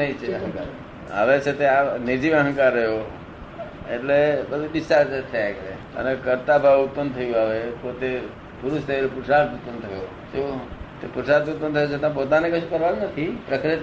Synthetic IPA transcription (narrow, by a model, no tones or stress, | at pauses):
əĩt͡ʃʰeəɦə̃ŋka̰ɾ | a̰ʋet͡ʃʰet̪eaned͡ʒiəɦə̃ŋkaɾːəɦjo | ḛʈlebəd̪ʱud̪ɪsaɾd͡ʒet̪ʰeklḛ | ə̰nekəɾt̪abʱaʋut̪̚pənd̪t̪ʰəjũaʋepot̪e | puɾuʃt̪eɾepuɾʃat̪ut̪pənd̪t̪ʰəjo | d͡ʒot̪epuɾʃaɾt̪ut̪̚pːənt̪ʰəjot͡ʃʰet̪ãpot̪anekəʃʰũkəɾʋannət̪ʰipɾəkɾit̪